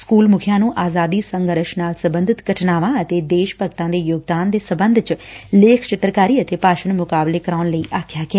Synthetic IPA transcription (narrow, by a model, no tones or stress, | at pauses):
skuːlmʊkʰjãːnũːʔaːzaːd̪iːsəŋɡəɾəʃnaːlsəbənd̪ʱɪt̪ɡəʈʰnaːʋãːət̪eːd̪eːʃpək̚t̪ãːd̪eːjoːɡ̚d̪aːnd̪eːsəbənd̪ʱt͡ʃleːkʰt͡ʃɪt̪ɾkaːɾiːət̪eːpaːʃənmʊkaːbleːkəɾaːʊnləiːʔaːkʰjaːɡɪaː